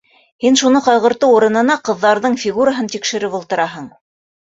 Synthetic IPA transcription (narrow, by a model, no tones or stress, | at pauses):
hinʃunɤqɑjʁɤ̆ɾt̪ɤuɾɤ̆nɤ̆nɑqɤ̆ðːɑɾðɤɴfʲiɡuɾaɦɤnt̪ikʃɘ̆ɾɘpulˠt̪ɤ̆ɾɑɦɤɴ